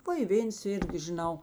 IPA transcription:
ˈʋɐ ɪ ˈʋʲeːns ˈɪrʲɡʲɪ ʒʲɪˈnɐʊ

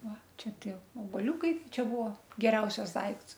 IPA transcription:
ˈʋɐ ˈt͡ʃʲɛ ˈtʲiɛ oːbɐˈlʲuːkɐɪ ˈt͡ʃʲɛ ˈbʊʋoː ɡʲɛˈrʲɛʊsʲɛs ˈdɐɪkts

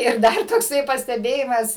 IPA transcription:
ɪr ˈdɐr toːkˈsɐɪ pɐsʲtʲɛˈbʲeːjɪmɐs

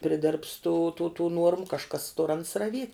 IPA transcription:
pʲrʲɪˈdʲɪrps tuː tuː tuː ˈnuɔrmʊ kɐʃˈkɐs tʊr ɐns rɐˈʋʲiɛtʲ

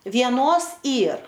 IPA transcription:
ʋʲiɛˈnoːs ˈiːr

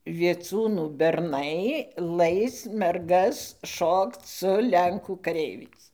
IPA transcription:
ʋʲiɛˈt͡suːnuː bʲɛrˈnɐɪ ˈlˠɐɪs mʲɛrˈɡɐs ˈʃoːkt͡s sʊ ˈlʲɛŋkuː kɐˈrʲɛɪʋʲɛɪs

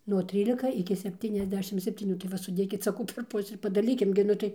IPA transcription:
nuɔ ˈtʲrʲiːlʲɪkɐ ɪkʲɪ sʲɛpʲˌtʲiːnʲɛzʲˈdʲæːʃʲɪm sʲɛpʲtʲiːˈnʲuː tɐɪ ˈʋɐ sʊˈdʲeːkʲɪt sɐˈkɐʊ pʲɛr ˈpʊsʲɪ ɪr pɐdɐˈlʲiːkʲɪm ɡʲɪ ˈnʊ tɐɪ

